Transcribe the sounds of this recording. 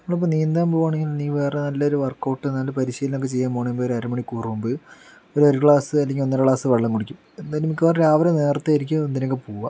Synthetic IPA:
nɐmːɐɭipːoːniːnd̪aːmpoːʋaːɳe̞ŋɡilniːʋe̞ːrenɐlːɐo̞ɾuʋɐrkːoːʈːɨnːɐlːpɐɾiɕijlnokːet͡ɕe̞jːaːmboːɳemboːoɾɐɾumɐɳikuːrumbɨ | oɾoɾikɭaːsɨɐlːeŋɡʲio̞nːɐɾɐkɭaːsɨʋɐɭːɐŋkuɽikʲːum | enːaːlumikʲːɐaːrɾaːʋɐɾene̞ːrt̪ːaːjiɾik̬ʲːuend̪inok̬ːepoːʋa̰

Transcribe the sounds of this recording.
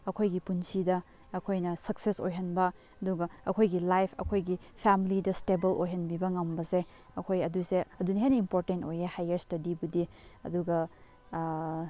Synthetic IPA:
ɐkʰojɡipunsidɐ | ɐkʰojnɐsɐkseso̰jɦɐnbɐ | ɐduɡɐɐkʰojɡilajpʰɐ̰kʰojɡi | pʰamilidɐstebɐlʔojɦɐnbibɐŋɐmbɐse | ɐkʰojɐduseɐdunɐɦenɐimpoɾtentojehajɐɾstɐdibudiɐ̰duɡɐ

